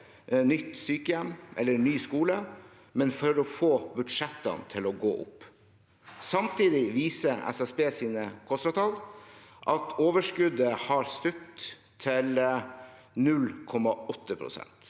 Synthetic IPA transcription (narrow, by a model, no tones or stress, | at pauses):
nʏt̪ːsyːkəjɛmːɛlːənyːskuːlə | mɛnfɔɾɔfoːbʉd̪ʂɛt̪ːɑ̰nt̪ʰɪlɔɡo̰ːʔʊ̰pː | sɑmt̪ʰiːd̪ɪʋiːsəɾɛ̰sɛsbeːsiːnəkʰɔst̪ɾɑt̪ʰɑlʔɑt̪ʰoːʋəʂkʉd̪əhɑɾst̪ʉk̚t̪ | t̪ʰːɪl | nʉlkʰɔmɑɔt̪ːəpʰɾʊ̰sɛ̰nt̪